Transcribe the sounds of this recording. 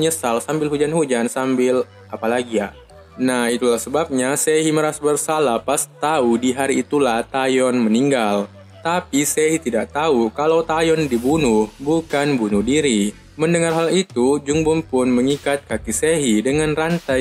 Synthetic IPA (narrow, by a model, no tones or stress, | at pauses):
əɲəsalsambɪlɦud͡ʒanhud͡ʒansambɪl | ʔapalaɡija | nahit̪ulahsəbap̚ɲaseɦiməɾasbərsalapast̪audiɦaɾiːt̪ulaht̪ajɔnməniŋɡal | t̪apiseɦit̪idaʔt̪aukalawt̪ajɔndibunʊhbukanbunʊhdiɾi | məndəŋarɦalit̪ud͡ʒuŋbʊmpʊnməŋikat̪̚kakiseɦidəŋanrant̪a